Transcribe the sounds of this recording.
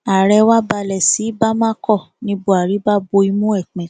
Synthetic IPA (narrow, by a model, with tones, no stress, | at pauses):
a˨ɾɛ˧wa˦ba˧lɛ˨si˨˦ba˦mã˦kɔ˦˨ | nĩ˧bo˦˨a˨ɾi˨˦ba˦bo˧˦i˧mũ˦ɛ˦˨k͡pɛ̃˨˦